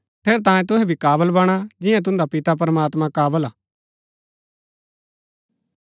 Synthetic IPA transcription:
pʰeːɾt̪̬ãːẽt̪ʊɦɛbʱikaːʋəlbɐɽ̃ad͡ʒɪ̃jãt̪̬ʊ̃nd̪apɪt̪ap̬ɐɾəmaːt̪mãkaːʋəlaː

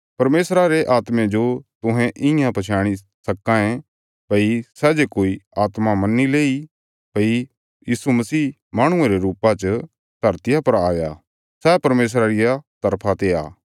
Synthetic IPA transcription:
pɐɾmeːsɾaɾeʔaːt̪mẽd͡ʒot̪ʊ̃ɦɛ̃ʔɪ̃jãpɐt͡ʃʰaːɽ̃i | sɐkãẽ | pɐisɛːd͡ʒekoːiaːt̪mamɐnːileːi | pɐi | jiːsumɐsiː | maːɽ̃ʊ̃ẽɾeɾuːpat͡ʃə | d̪ʱɐɾt̪ɪjapɐɾaːja | sɛːpɐɾmeːs̬ɾaɾɪjat̪ɐɾpʰat̪eaː

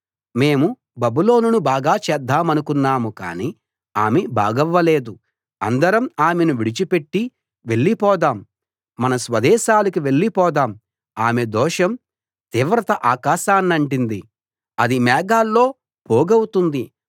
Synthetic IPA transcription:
me̞ːmu | bɐbulo̞ːnunubaːɡaːt͡ʃɛːd̪ʱːaːmɐnukunːaːmuka̰ːni | aːmebʱa̰ːɡɐʋːɐle̞ːd̪u | ɐ̰nd̪ɐɾɐmaːmenuʋiɽit͡ʃipeʈːi | ʋe̞ɭːipɔːd̪aːmː | ɐnɐsʋɐd̪ɛːʃaːlɐkiʋe̞ɭːipɔːd̪aːm | aːmed̪ɔːʂɐm | t̪iːʋɾɐt̪ɐʔaːkaːʃaːnːɐɳʈind̪i | ɐd̪imɛːɡaːlːo̞ː | poːɡɐwut̪und̪i

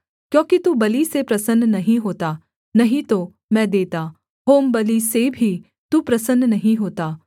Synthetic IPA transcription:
kjõːkit̪ubɐlisepɾɐsənːnɐɦĩɦoːt̪a | nɐɦĩt̪o | mɛ̃ːd̪eːt̪aː | ɦoːmbɐlisebʱi | t̪upɾɐsənːnɐɦĩɦoːt̪aː

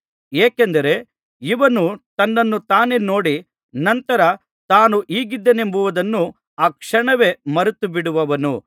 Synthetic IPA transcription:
eːkend̪ɐɾe̞ | iʋɐnut̪ɐnːɐnːut̪aːne̞no̞ːɽi | nɐnt̪ɐɾɐ | t̪aːnuʔiːɡid̪ːene̞mbuʋud̪ɐnːu | aːkʂɐɳɐʋe̞mɐɾut̪ubiɽuʋɐʋɐnu

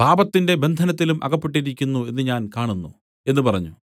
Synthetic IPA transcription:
paːbɐt̪ːinde̞be̞nd̪ʱɐnɐt̪̬ːilumʔɐ̰ɣɐpːeʈːiɾikʲːunːue̞nːɨɲaːnkaːɳunːṵ | e̞nːɨpɐrɐɲːu

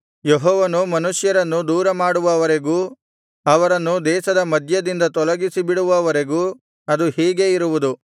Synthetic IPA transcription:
jeɦɔːʋɐnumɐnuʂjɐɾɐnːud̪uːɾɐmaːɽuʋɐːʋɐɾe̞ɡuː | ɐʋɐɾɐnːud̪ɛːʃɐd̪ɐmɐd̪ʱjɐd̪ind̪ɐt̪ɔlɐɡisibiɽuʋɐːʋɐɾe̞ɡuː | ɐd̪uhiːɡe̞iɾuʋud̪u

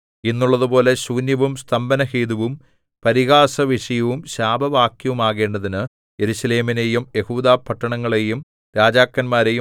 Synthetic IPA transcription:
inːuɭːɐðupo̞ːle̞ɕuːnjɐʋumst̪ʰɐmbɐnɐhiːd̪uʋum | pɐɾiɣaːsɐʋiʂɐjɐʋumɕaːbʱɐʋaːkjɐʋumaːɣe̞ːɳɖɐðinɨ | je̞ɾusɐle̞ːminejumje̞huːd̪aːpʰɐʈːɐɳɐŋːɐɭe̞jum | ɾaːd͡ʑaːkːɐnmaːɾe̞ju

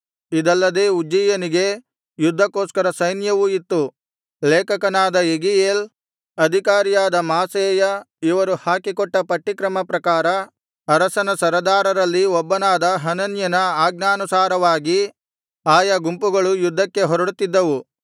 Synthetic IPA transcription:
id̪ɐlːɐd̪eːud͡ʒijɐniɡe̞ | jud̪ʱːɐkoːskɐɾɐsɐjnjɐʋuit̪ːu | leːkɐkɐnaːd̪ɐeɡijeːl | ɐd̪ʱikaːɾijaːd̪ɐmaːseːjɐ | iʋɐɾuhaːkikɔʈːɐpɐʈːikɾɐmɐpɾɐkaːɾɐ | ɐɾɐsɐnɐsɐɾɐd̪aːɾɐɾɐlːiɔbːɐnaːd̪ɐɦɐnɐnjɐnɐaːɡ̚naːnusaːɾɐʋaːɡi | aːjɐɡumpuɡɐɭujud̪ʱːɐkːe̞ɦɔɾɐɽut̪ːid̪ːɐʋu

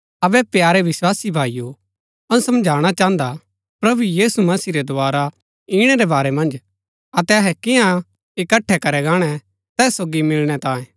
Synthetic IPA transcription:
ɐbɛpjaːɾɛʋɪswaːsibʱaːijo | ɐnũsɐmd͡ʒʱaːɽ̃at͡ʃãːə̃nd̪a | pɾɐbujiːsumɐsiɾɛd̪ʊaːɾa | iːɽ̃ɛɾɛbaːɾɛmɐ̃nd͡ʒ | ɐt̪ɛɐɦɛkɪjã | ɪkɐʈʰːɛkɐɾɛɡaːɽ̃ɛ | t̪ɛːsːoːɡimɪlɽ̃ɛt̪ãːẽː

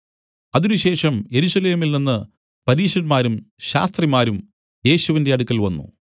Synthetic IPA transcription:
ɐðinuɕe̞ːʂɐmje̞ɾuɕɐle̞ːmilninːɨ | pɐɾiːɕɐɾmaːɾumɕa̰ːst̪rimaːɾum | je̞ːɕuʋinde̞ɐɽukːɐlʋɐnːṵ

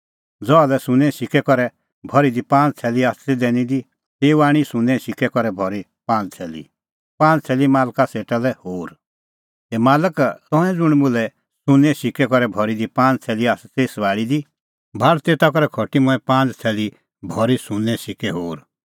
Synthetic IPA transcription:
d͡zɔalɛsʊ̃nɛ̃sɪkɛkɔɾɛ | bʱɔɾid̪ipãːnd͡zt͡sʰɛːliassed̪ɛnid̪i | t̪eːuaːɽ̃isʊ̃nɛ̃sɪkɛkɔɾɛbʱɔɾi | pãːnd͡zt͡sʰɛːlḭ | pãːnt͡sʰɛːlimaːlkaseːʈalɛhoːɾ | t̪ɛmaːləkt̪ɔ̃ɛ̃d͡zʊɽ̃mʊlɛ | sʊ̃nɛ̃sɪkɛkɔɾɛbʱɔɾid̪ipãːnd͡zt͡sʰɛːliaːst͡seːsʋaːɭid̪i | bʱalt̪eːt̪ak̬ɔɾɛkʰɔʈimʊ̃ɛ̃pãːnd͡zt͡sʰɛːli | bʱɔɾisʊ̃nɛ̃sɪkɛɦoːɾ

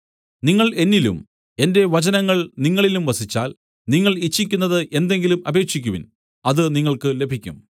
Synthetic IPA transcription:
niŋːɐɭe̞nːilṵm | e̞nde̞ʋɐt͡ɕɐnɐŋːɐɭniŋːɐɭilumʋɐsit͡ɕːaːl | niŋːɐɭit͡ɕːik̬ʲːunːɐðɨʔe̞nd̪e̞ŋɡilumɐbe̞ːkɕikʲːuʋḭn | ɐðɨniŋːɐɭkɨle̞bʱikʲːṵm

